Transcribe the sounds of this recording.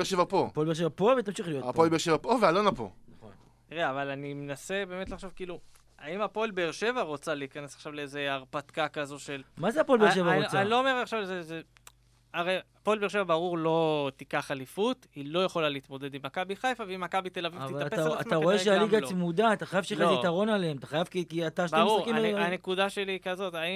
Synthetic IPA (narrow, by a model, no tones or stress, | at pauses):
eʃevapo̞polbeʃ̬evapovet̪amʃiχlijotapolbeʁʃevapo̞vealonapo̰o | t̪iʁeavalanimenase̞be̞ːme̞t̪laχʃovkiːlu | aimapo̞lbeːʁʃe̞vaʁo̞t͡saleikanesaχʃavleeze̞aʁpat̪kakazo̞ʃe̞lmazeapolbeʃevaʁoanilo̞ome̞ʁaχʃavzeze | aʁejapoelbeʁʃevabaʁuʁlo̞t̪ikaχalifut̪ilo̞jaχo̞laliit̪mo̞d̪e̞d̪imakabiχajfaveimakabit̪e̞lavivvtivaaatpaat̪aʁo̞eʃealiɡasmud̪aat̪aχajavʃelait̪aʁo̞naleemat̪aχajavkikiat̪aʃʁsuakimeanekud̪aʃelikazo̞t̪ai